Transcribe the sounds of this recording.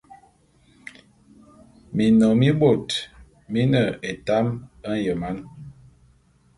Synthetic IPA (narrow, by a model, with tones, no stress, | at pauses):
mi˨nɔ˨mi˦ɓo˨t | mi˦nə˨e˨ta˦mə˦n˦jə˨ma˦n